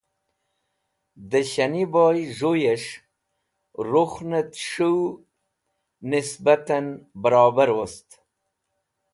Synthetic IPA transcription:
d̪əɕaniboːjʐojeʂ | ɾuxnət̪ʂuw | nɪsbat̪anbəɾɑːbaɾwost̪

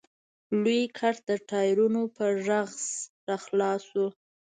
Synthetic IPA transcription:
lujkʰaɾt̪̚d̪əʈɑjɾunopəʒaɣzɾɑxlɑswu

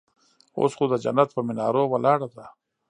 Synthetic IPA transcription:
o̰sχod̪əd͡ʒa̰nat̪̚pəmɪnɑːɾowalɑːɽad̪a

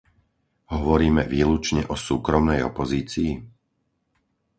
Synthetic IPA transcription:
ɦɔʋɔɾiːmɛʋiːlut͡ʃɲɛʔɔsuːkɾɔmnɛjɔ̰pɔziːt͡siː

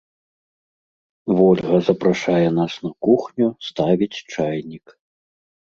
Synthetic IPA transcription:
vɔlʲɣɐzɐpɾaʂajɛnasnɐkuxnʲust̪avʲit͡sʲt͡ʂajnʲik

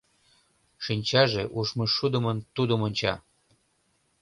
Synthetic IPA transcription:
ʃinʲt͡ɕɑʒeʔuʃmɤʃud̪ə̆mənt̪ud̪əmonʲt͡ɕɑ

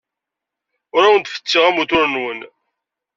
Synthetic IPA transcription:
ʊɾawənt̪fə̥t͡sːiʁæmut̪ʊɾənwən

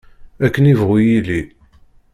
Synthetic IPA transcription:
ækːənivʁujili

